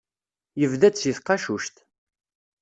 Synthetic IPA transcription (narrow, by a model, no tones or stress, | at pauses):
jəvðæsjəθqɑʃuʃt̪